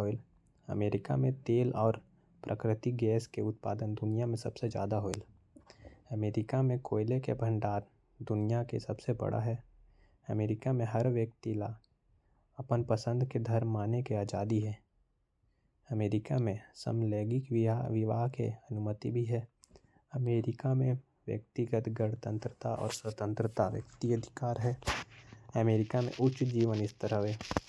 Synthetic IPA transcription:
oɪl | ɐ̰meːɾɪka̰mẽt̪eːlɔːɾ | pɾʔə̰kɾɪt̪iɡɛːskeʊt̪̚pa̰ːd̪ənd̪ʊnijamẽsɐ̰b̥sed͡ʒja̰ːd̪aɦoɪl | ɐmeːɾɪkamẽkoːɪlekḛbʱə̃ɳɖaːɾ | d̪ʊnijakḛsɐbsebɐ̰ɽa̰ɦɛː | ɐmeːɾɪkamẽɦɐɾʋjək̚t̪ilaː | ɐpənpəsə̃nd̪ked̪ʱɐɾmːaːnekeaːd͡ʒaːd̪iɦɛː | ɐmeːɾɪkamẽsə̰mlɛːɡɪkɪʋɪʋaːɦkḛɐnʊmət̪ibʱiɦɛː | ɐmeːɾɪkamẽ | ʋjə̰k̚t̪ɪɡət̪ɡəɽt̪ə̃nt̪ɾət̪aʔɔ̰ːɾswət̪ə̃nt̪ɾət̪aʋjə̰k̚t̪iəd̪ʱɪ̥kaːɾɦɛː | ɐmeːɾɪkamḛ̃ʔʊtt͡ʃd͡ʒiːʋənɪst̪əɾəʋeː

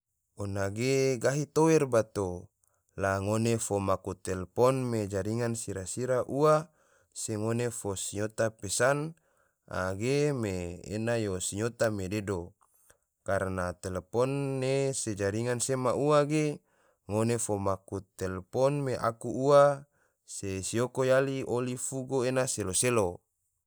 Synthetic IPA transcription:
onaɡeɡaɦit̪oɛrbat̪o | laŋonefomakut̪ɛlepɔnmed͡ʒaɾiŋansiɾasiɾaʔua | seŋonefosiɲot̪apesan | a̰ɡemḛːnajosiɲot̪amededo | karnat̪elepɔnːesed͡ʒaɾiŋansemaʔuaɡe | ŋonefomakut̪elepɔnmeʔa̰kuua | sesiokojaliʔolifuɡoenaseloselo

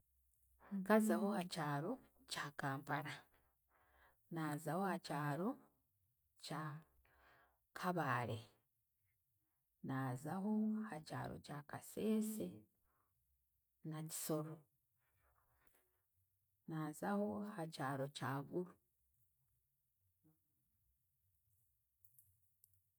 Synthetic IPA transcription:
kazaho̞acaːɾo̞ | caːkaːmpaɾa | naːzaho̞acaːɾo̞ | ca | kʰaβaːɾe̞ | naːzaho̞haca̰ːɾo̞̰cakase̞ːse | naɟiso̞ɾo | naːzaho̞acaːɾo̞caːβuɾu

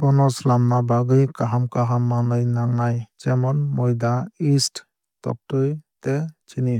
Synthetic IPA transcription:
bɔnɔslamnabaɡɯjkaɦamkaɦamːanɯjnaŋajd͡ʒɛmɔnmɔjd̪aist | tɔ̰k̚tɯjtɛt͡ʃʰini

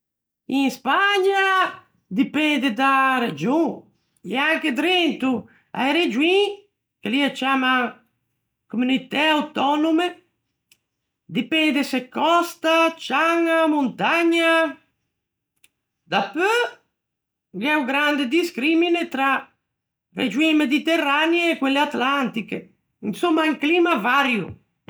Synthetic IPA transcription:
ĩspaɲa | d̪ipɛnd̪ed̪aɾed͡ʒũ | eaŋked̪ɾent̪u | a̰jɾed͡ʒwĩ | keliat͡ʃama | komunit̪ɛawt̪ɔnume | d̪ipɛnd̪esekɔst̪at͡ʃaŋamunt̪aɲa | d̪apø | ɡɛwɡɾand̪ed̪iskɾiminet̪ɾa | rḛd͡ʒwimed̪it̪erːaneːkweleat̪lant̪ike | insomːaiŋklimavaɾjṵ

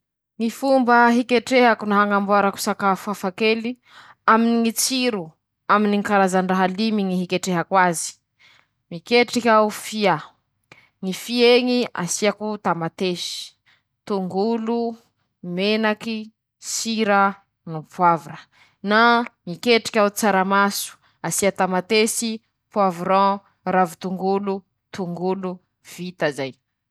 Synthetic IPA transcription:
ŋifumbəɦikeʈ͡ʂeɦakunaɦaŋambuaɾaku̥sakafafakeli | aminiŋit͡siɾu | aminiŋikaɾazaɳɖ͡ʐaɦalimiŋiɦikeʈ͡ʂeɦakwazi̥ | mikeʈ͡ʂikʲaufia | ŋifieŋia̰siakut̪amat̪eʃi̥ | t̪uŋɡulu | menaki | siɾa | nupwavuɾə | namikeʈ͡ʂi̥kʲaut͡saɾamasu̥ | asiat̪amat̪esi | puavuɾɔ̃ | ravut̪uŋɡulu | t̪uŋɡulu | v̥it̪azaj

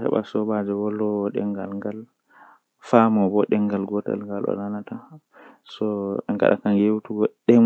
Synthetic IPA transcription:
hɛ̰ba̰sɔbad͡ʒɛwɔlːɔɗɛ̰ŋɡalŋɡal | famɔbɔɗɛŋɡalɡɔta̰lŋɡalɔ̰nanata | sɔɛŋɡa̰ɗa̰kanjewtuɡɔɗɛ

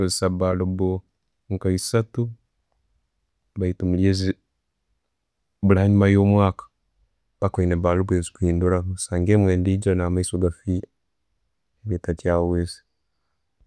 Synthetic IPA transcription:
ezsabalobo | ŋkaisatu | baitumuljezi | bulaːɲumajoːmwaːkḁ | b̥akoineβaːlubwezi̥kwiːnduɾasaːŋɡemweːndid͡ʒɾanaːmaisoɡafi | eβjetat͡ʃjawezi̥

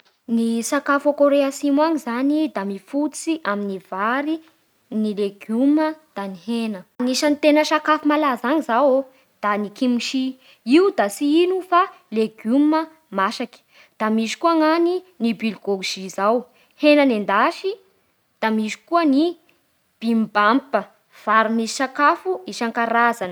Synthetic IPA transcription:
nisakafokoɾeasimwaŋizanid̪amifut͡siʔaminiv̥aɾi | nileɡuməd̪̥anihenəniʃanit̪enəʃakafimalazaŋizawo | d̪̥anikimiʃi | iud̪asiinufa | leɡumə | maʃaki̥ | d̪̥amiʃi̥kuaŋaninibilɡoʒ̥izaw | henənend̪aʃi | d̪̥amiʃi̥kuəni | b̥imbampə | v̥aɾunisi̥ʃakafuiʃaŋkaɾazanə

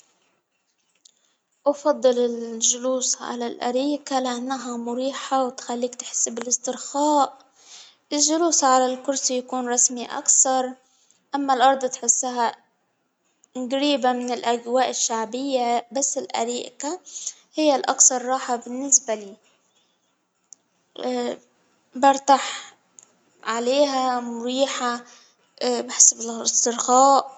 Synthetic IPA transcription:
ʔɑfɑd̪ˤːɨlɪlʒʊluːsʕa̰lalʔa̰ɾiːʔkalɪʔanːaɦamʊɾiːħawt̪xalːiːkt̪ħɪ̥sːbɪlɪst̪ɪɾxaːʔ | ʔɪlʒʊluːsʕalalkʊɾsjakuːnɾˤɑsmiʔa̰kθɑɾˤ | ʔamːalʔɑɾˤd̪ˤt̪ħɪsːʊɦa | ɡɾiːbamɪnɪlʔaɡwaːʔɪʃːaʕbɪjːabasːɪlʔa̰ɾiːʔkahɪjːalʔɑ̰kθɑɾˤːɑːħabɪnːɪsbaliː | bɑɾˤt̪aħ | ʕaleːɦamʊɾiːħa | baħɪ̥sbɪlɪst̪ɨɾxɑːʔ

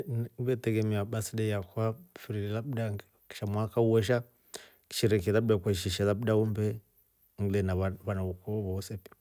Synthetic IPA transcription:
bɛtɛɡɛmiaɓasidɛjakwafiɾilɛlabuda | ki̥ʃamwakauwɔʃ̬a | ki̥ʃiɾɛkɛðabudakwaiʃ̬iʃaðabudaumbɛ | ŋlɛnaβanaukɔβɔɔsɛpi̥

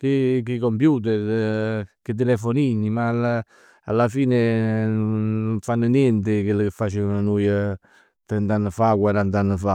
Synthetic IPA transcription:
k̟ikikompjuːt̪̬ɛɾ | kɪt̪̬ːelɛfoniɲːimaa | alːafiːnenːʊɱfanːənjɛnt̪ɪkɪlːəkɪfːat͡ʃevənənujə | t̪ɾɛnt̪anːəfakwaɾant̪̬anːəfa

